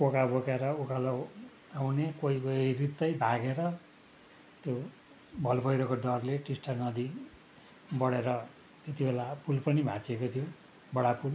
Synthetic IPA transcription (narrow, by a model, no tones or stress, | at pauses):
pokabokeɾʌukalaw | awnekoikoirit̪ːʌjbʱaɡeɾʌ | t̪jo | bʱʌlbʱʌjɾʌkoɖʌrleʈisʈanʌd̪i | bʌɽeɾʌ | t̪jet̪ibelapulpʌnibʱãt͡sekot̪ʰijo | bʌɽapul